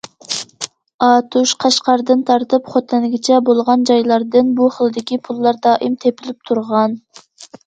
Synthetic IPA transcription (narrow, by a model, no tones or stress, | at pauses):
ɑt̪ʰuʃqʰɑʃqɑɾd̪ɨnt̪ʰɑɾt̪ɨpχot̪ʰɛnɡʲɪt͡ʃʰɛbolˠʁɑnd͡ʒɑjlˠɑɾd̪ɨnbuχəlˠɨd̪ɪkʲipʰulˠːɑɾd̪ɑːʔimt̪ʰepʰɪlɪp̚t̪ʰuɾʁɑn